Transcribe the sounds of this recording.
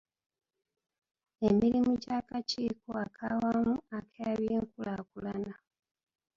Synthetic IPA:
emiɾimuɟaːkaciːkoakʰawamuakʰejaβjeːŋkulaːkulana

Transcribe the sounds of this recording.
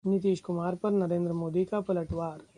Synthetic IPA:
nɪt̪̬iːʃkʊmaːɾpɐɾnɐɾẽːnd̪ɾəmoːd̪ikapɐləʈʋaːɾ

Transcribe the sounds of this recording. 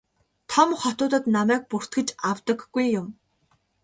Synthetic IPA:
t̪ʰɔmχɔt̪ʊːt̪ə̆t̪namæːk̚pur̥t̪ɡɘ̆t͡ɕawt̪ə̆ɡːujːʊm

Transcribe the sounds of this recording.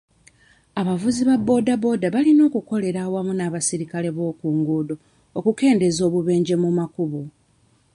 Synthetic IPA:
aβavuziβabːo̞ːdabo̞ːdaβalino̞ːkuko̞le̞ɾaːwamunaːβasiɾikale̞βo̞ːkuːŋɡuːdo̞ː | kuke̞ːnde̞zo̞ːβuβe̞ːɲɟe̞mumakuβu

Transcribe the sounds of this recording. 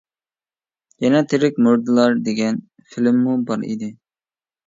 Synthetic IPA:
jɛnɛt̪ʰɪɾɪkʲmuɾd̪ɨlˠɑɾd̪eɡʲɛn | filmːubɑɾḭd̪ɪ

